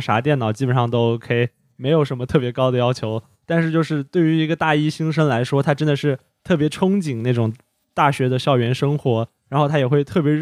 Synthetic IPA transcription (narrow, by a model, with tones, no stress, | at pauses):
ʂa̰˧˥t̪̬jɛ˥˩nɑ˨˩ʊt͡ɕi˥pə˨˩nʂɑ˥˩ŋt̪o˥ʊkʰe˥˩ | me˧˥ɪjo˨˩ʊʂə˧˥nmə˧t̪ʰɤ˥˩pjɛ˧˥kɑ˥ʊd̪ə˨jɑ˥ʊt͡ɕʰjo˧˥ʊ | t̪a˥˧nʂɻ̩˥˧t͡ɕjo˥˧ʊʂɻ̩˥˧t̪we˥˩ɪy˧˥i˧˥ɡə˧t̪a˥˩i˥ɕi˥ŋʂə˥nla˧˥ɪʂwɔ˥t̪ʰa˥ʈ͡ʂə˥nd̪ə˨ʂɻ̩˥˩ | t̪ʰɤ˥˩pjɛ˧˥ʈ͡ʂʰʊ˥ŋt͡ɕi˨˩ŋna˥˩ʈ͡ʂʊ˨˩ŋ | t̪a˥˩ɕɥɛ˧˥d̪ə˧ɕjɑ˥˩ʊɥɛ˧˥nʂɤ˥ŋxwɔ˧˥ɻa˧˥nxʰa˥jɛ˨˩xwe˥˧ɪt̪ʰɤ˥˩p̬jɛ˧˥